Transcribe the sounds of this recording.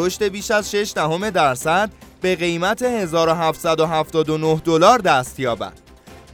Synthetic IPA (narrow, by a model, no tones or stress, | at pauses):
oʃt̪e̞biːʃæzʃe̞ʃd̪æho̞me̞d̪æɾsæd̪̚be̞ɣe̞jmæt̪ʰe̞he̞zɒːɾoɦæft̪sæd̪oɦæft̪ɒːd̪onohd̪o̞lɒːɾd̪æst̪jɒːbæ̰d̪̥